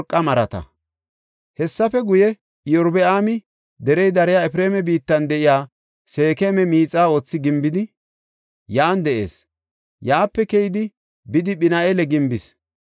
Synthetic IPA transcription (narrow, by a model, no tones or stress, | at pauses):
ɾkʼːɐmɐɾɐt̪ɐ̰ | hɛsːɐfɛɡʊjɛ | ɪjɔɾbɛʔaːmɪ | d̪ɛɾɛjd̪ɐɾɪjaːɛpɪɾeːmɛbiːt̪ːɐnd̪ɛʔɪjaː | se̞ːkemɛmiːt͡sʼːaːo̞ːt͡sːɪɡɪmbɪd̪ɪ | jaːnd̪ɛʔe̞̰ːs | jaːpːɛkɛjɪd̪ɪ | bɪd̪ɪɓɪnaʔelɛɡɪmbɪs